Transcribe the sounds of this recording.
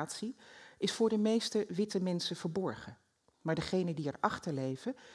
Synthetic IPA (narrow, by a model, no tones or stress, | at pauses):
tsiʔɪsfʊːɹdəmejstəʋɪtəmɛnsəv̥əɹbɔɹχə | maːɹdəχejnədiɛɹɑχtəɹlejvə